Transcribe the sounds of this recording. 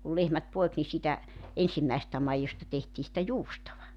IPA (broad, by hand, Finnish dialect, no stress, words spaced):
kul lehmæt poek ni siːtæ ensimːæesĕstæ mɑijostɑ tehtiː sĭtæ juːstoʋɑ